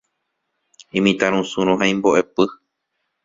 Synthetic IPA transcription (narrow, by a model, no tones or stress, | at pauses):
ĩmĩt̪aɾ̃ũsũɾõɦaĩmboʔe̞pɨ